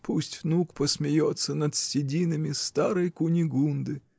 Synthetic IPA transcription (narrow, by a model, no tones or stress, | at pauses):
pʰusʲtʲvnukpəsmʲɪjot̪sːənɐt̪sʲtʲɪdʲinɨmʲɪst̪aɾəjkʊnʲɪɡund̪ɨ